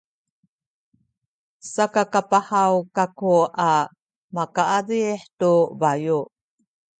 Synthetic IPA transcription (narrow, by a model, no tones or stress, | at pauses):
sakakapahawkakuʔa | makaʔadiħtubaju